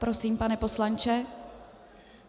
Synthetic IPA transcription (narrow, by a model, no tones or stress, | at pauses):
pɾo̞siːmpanɛpo̞slant͡ʃɛ